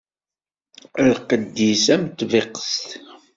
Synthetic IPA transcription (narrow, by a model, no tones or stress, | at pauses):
lqəd̪ːisæmət̪ːveqə̥st̪